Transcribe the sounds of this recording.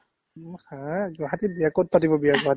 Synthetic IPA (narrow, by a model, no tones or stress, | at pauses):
hãɡaɦatibiakot̚patibɔbijaɡaɦati